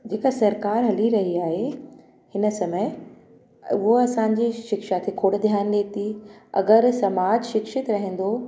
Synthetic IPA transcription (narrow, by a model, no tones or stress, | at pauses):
d͡ʑeːkasɐɾkaːɾɦɐliɾɐɦiaːɦe | hɪnə̆sɐməɪ | ʊɦoɐsãːɲd͡ʑeʃɪkʃat̪ʰekʰoːɽd̪ʱjaːnɗeːt̪ʰiɐ̰ɡəɾsɐmaːd͡ʑʃɪkʃɪt̪ɾɐɦẽːn̆d̪o